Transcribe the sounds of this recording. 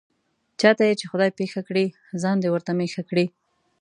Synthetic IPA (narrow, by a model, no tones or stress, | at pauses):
t͡ʃɑt̪ajet͡ʃexʊd̪ɑjpexakɽi | zɑnd̪ewəɾt̪amexakɽi